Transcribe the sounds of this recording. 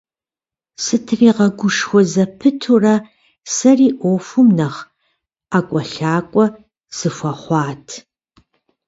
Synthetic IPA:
sɨtʰriːʁɐɡʷʊʂxʷɔzɐpʰɨtʰurɐ | sɐriːʔʷoːfʊmnɐχ | aːkʷʼɔɬaːkʷʼɔ | z̥ɨfʷɐχʷɑːtʰ

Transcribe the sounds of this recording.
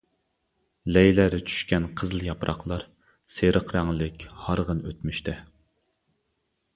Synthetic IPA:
lɛjlæɾɛt͡ʃʰy̥ʃkʲɛnqʰəzlˠjɑpɾʔɑ̰χlˠɑɾ | seɾʔəqɾɛŋlˠɪkʲhɑɾʁənøt̪myʃt̪ʰɪ

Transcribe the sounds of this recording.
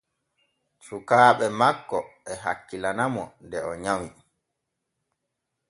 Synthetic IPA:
sukaːɓɛmakːɔɛɦa̰kːilanamɔndɛɔɲawi

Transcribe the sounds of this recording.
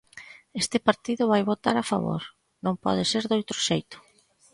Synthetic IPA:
est̪ɪpaɾt̪iðʊβajβot̪aɾafa̰βo̰ɾ | nõŋpɔ̰ð̞ɪseɾðowt̪ɾʊʃejt̪ʊ̥

